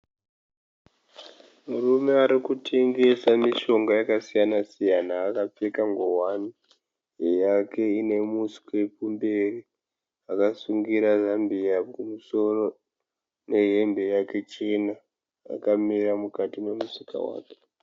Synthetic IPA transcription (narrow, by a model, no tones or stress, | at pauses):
murume̞aɾikutʰe̞ŋɡe̞samiʃo̞ŋɡajakasijanasijanaːkap͡fekaŋɡoɦwani | jake̞ine̞musi̥kepumberi | akasuŋɡiɾazambiakumuso̞ro̞ | ne̞ɦe̞mbe̞jake̞t͡ʃina | a̰kamiramukatime̞musika̰wa̰ːke̥